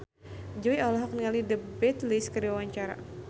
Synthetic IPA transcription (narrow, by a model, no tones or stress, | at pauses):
d͡ʒoiɔlɔɦɔk̚nəŋalidəbɛt̪liskəɾiwawaɲt͡ʃaɾa̰